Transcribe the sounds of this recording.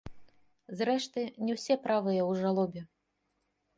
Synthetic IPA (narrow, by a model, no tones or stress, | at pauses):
zɾɛʂt̪ɨnʲɛwsʲɛpɾavɨjɐwʐalˠɔbʲɛ